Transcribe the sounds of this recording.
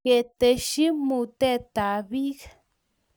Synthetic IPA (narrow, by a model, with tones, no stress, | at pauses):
e˨t̪əʃi˦mut̪e˦t̪a˨βik